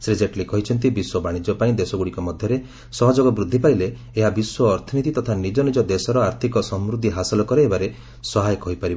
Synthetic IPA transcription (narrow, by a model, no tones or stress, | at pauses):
sɾid͡ʒeʈlikɔɦit͡ʃʰɔnt̪̬ibiswɔbaɽ̃id͡ʒɔpaĩd̪esɔɡuɽikɔmɔd̪ʱjɔɾe | sɔɦɔd͡ʒɔɡɔbɾud̪ʱːipajleː | ɦabiswɔːɾt̪ʰɔnit̪it̪ɔt̪ʰanid͡ʒɔnid͡ʒɔd̪esɔɾɔaɾt̪ʰikɔsɔmɾud̪ʱːiɦasɔlɔkɔɾeɦebaɾe | sɔɦajkɔɦipaɾibɔ